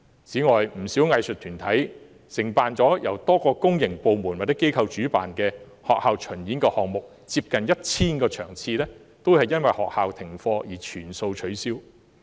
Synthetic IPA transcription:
t͡siː˨˥ŋɔː˨jm̩˨˩si˨˥wŋɐ˧jsɵ˨t̪ʰyː˨˩nt̪ʰɐ˨˥j | sɪ˨˩ŋpaː˨nt͡sɔː˨˥jɐ˨˩wt̪ɔː˥kɔː˧kʊ˥ŋjɪ˨˩ŋpo˨wmuː˨˩nwa˨˩t̪ːɛ˥ke˥jkʰɐ˧wt͡ʃyː˨˥pa̰ː˨nkɛː˧ | hɔː˨k̚haː˨˧wt͡ʃʰɵ˨˩njiː˨˥nkɔː˧hɔː˨ŋ̚mʊ˨k̚ | t͡siː˧p̚kɐ˨njɐ˥t̚t͡sʰiː˥nkɔː˧t͡ʃʰœ̰ː˨˩ŋt͡sʰiː˧lɛː˥ | t̪o˥whɐ˨jːɐ˥nwɐ˨jhɔː˨k̚haː˨wt̪ʰɪ˨˩ŋfɔː˧jiː˨˩t͡ʃʰyː˨˩nso˧wt͡ʃʰɵ˨˥ɥsiː˥w

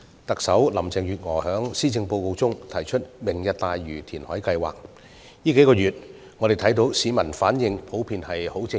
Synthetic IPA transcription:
t̪ɐ˨k̚sɐ˨˥wlɐ˨˩mt͡sɛː˨˩ŋjyː˨t̚ŋɔː˨˩hœː˨˥ŋsiː˥t͡sɪ˧ŋpo˧wko˧wt͡sʊ˥ŋt̪ʰɐ˨˩jt͡ʃʰɵ˥t̚mɪ˨˩ŋjɐ˨t̚t̪aː˨jɥyː˨˩t̪ʰiː˨˩nhɔ̰ː˨˥jkɐ˧jwa̰ː˨˩k̚ | jiː˥ke˨˥jkɔː˧jyː˨t̚ | ŋɔ˨˧ɾe˨jt̪ʰjt̪̬o˨˥wsiː˨˧mɐ˨˩nfaː˨˥njɪ˧ŋpʰo˨˥wpʰiː˧nhɐ˨jho˨˥wt͡sɪ˧

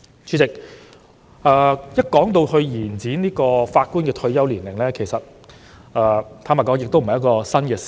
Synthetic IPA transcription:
t͡ʃʰyː˨˥t͡sɪ˨k̚ | ɛː˨˧jɐ˥t̚kɔː˨˥ŋt̪̬o˧whɵ˧ɥjiː˨˩nt͡siː˨˥niː˥kɔː˧faː˧t̚ku˥nkɛː˧t̪ʰɵ˧ɥjɐ˥wliː˨˩nlɪ˨˩ŋlɛː˥kʰe˨˩jsɐ˨t̚ | ɛː˧˩t̪ʰaː˥ma˨˩kɔ˨˥ŋjɪ˨k̚t̪o˥wm̩˨˩˨ɐ˨jkɔː˧sɐ˥nkɛː˧s

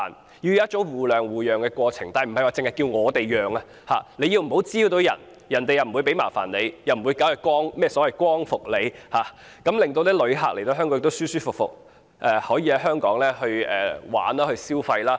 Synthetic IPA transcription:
n | ji˧jt̚t͡so˨˥ŋwuː˨˩lœː˨˩ŋwuː˨jœː˨˩ŋkɛː˧kʷɔː˧t͡sʰɪ˨˩ŋt̪aː˨˩m̩˨˩ɐ˨jwaː˨˧t͡sɪ˨ŋhɐ˨t̚kiː˧wŋɔː˨˧t̪e˨jjœː˨˩ŋa˧ | haː˨le˨˧ji˧wm̩˨˩ho˨˥wt͡siː˥˧t̪o˨˧wjɐ̰˨˩n | jɐ˨˩nt̪e˨jɐ˨˩wm̩˨wu˨˧jp̬e˨˥jma̰ː˨˩fa̰ː˨˩nle˨˧jjɐ˨wm̩˨˩wuː˨˧jkaː˨˥jkwɔː˥ŋmɛː˥˩sɔ˨˥wɐ˨˩jkʷɔː˥ŋfʊ˨k̚le˨˧jhaː˨ | kɐ˨˥mlɪ˨ŋt̪o˧wt̪ɛː˥lɵ˨˧ɥɦa̰ː˨k̚le˨˩jt̪o˧hɦœː˥ŋkɔ˨˥˧kt̪wsyː˥syː˥fʊ˨k̚fʊ̰˨k̚ | ʔɛː˨˧hɔː˨˥jiː˧ɐ˧˥ɦœː˥ŋkɔː˨˥ŋlɛː˥hɵ˧ɥɛ̰ː˨wa̰ː˨˥nlaː˥hɵ˧ɥsiː˥wfɐ˧jlaː˥

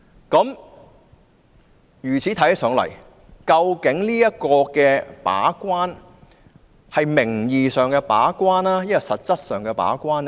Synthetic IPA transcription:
kɐ˨˥m | jyː˨˩t͡sʰiː˨˥t̪ʰɐ˧˥jɐ˥sœː˨˥ŋlɐ̰˨˩j | kɐ˧wkɪ˨˥ŋliː˥jɐ˥t̚kɔː˧kɛː˧pa̰ː˨˥kʷwaː˥n | hɐ˨jmɪ˨˩ŋjiː˨sœː˨˩ŋkɛ˧pa̰ː˨˥kʷwaː˥naː˥jɐ˥kɔ˧sɐ˨t̚t͡sɐ˥t̚sœː˨ŋkɛ˧pa̰ː˨˥kʷaː˥n

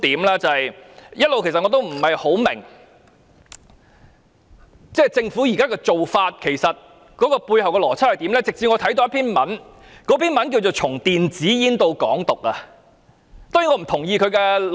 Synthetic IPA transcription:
t̪iː˨˥mlɛː˥t͡sɐ˨ɐ˨jjɐ˥t̚lo˨wkʰe˨˩sɐ˨ŋɔː˨˧t̪o˥wm̩˨˩hɐ˨jho˨˥wmɪ̰˨˩ŋ | t͡sɛː˥˩t͡sɪ˧ŋfu˨˥jiː˨˩kaː˥kɛː˧t͡so˨wfaː˧t̚kʰe˨˩jsɐ˨t̚ | kɔː˨˥kɔː˧puː˧jɦɐ˨wkɛː˧lɔː˨˩t͡sʰɐ˥thɐ˨jt̪iː˨˥mlɛː˥t͡sɪ˨k̚t͡si˧ŋɔː˨˧t̪ʰɐ˨˥jt̪o˧wjɐ˥pʰiː˥nmɐ˨˥n | kɔː˨˥pʰiː˥nmɐ˨˥nk̬i˧wt͡so˨wt͡sʰʊ˨˩ŋt̪iː˨nt͡siː˨˥jiː˥nt̪o˧wkɔ̰ː˨˥ŋt̪ʊ˨k̚ɐ˧ | t̪ɔː˥jiː˧ŋɔː˧m̩˨˩t̪ʰʊ˨˩ŋjiː˧kʰɵ˨˧ɥkɛ˧

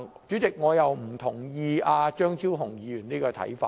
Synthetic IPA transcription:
t͡ʃyː˨˥t͡sɪ˨k̚ŋɔː˨˧jɐ˨wm̩˨˩t̪ʰʊ˨˩ŋjiː˧aː˧t͡ʃœː˥ŋt̪ʰiː˥wɦʊ˨˩ŋjiː˨˧jyː˨˩niː˥kɔː˧t̪ʰɐ̰˨˥jfaː˧

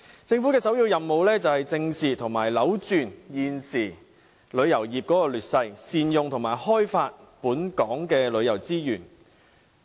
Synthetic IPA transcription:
t͡sɪ˧ŋfuː˨˥kɛː˧sɐ˨˥wjiː˧wjɐ˨mmo˨wlɛː˥t͡sɐ˨whɐ˨jt͡sɪ˧ŋsiː˨t̪ʰʊ˨˩ŋma̰ː˨˩jlɐ˨˥wt͡ʃyː˨˧njiː˧nsiː˨˩ | lɵ˨˧ɥjɐ˨˩wjiː˨p̚kɔː˨˥kɔː˧lyː˨˩t̚sɐ˧jsiː˨njʊ˨ŋt̪ʰʊ˨˩ŋmaː˨˩jhɔː˥jfaː˧t̚puː˨˥nkɔː˨˥ŋkɛː˧lɵ˨˧ɥjɐ˨˩wt͡siː˥jyː˨˩n

